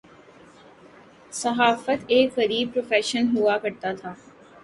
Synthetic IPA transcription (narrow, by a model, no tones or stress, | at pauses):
sɐɦaːfət̪eːkɣɐɾiːb̚pɾoːfɛːʃənɦuakɐɾt̪at̪ʰaː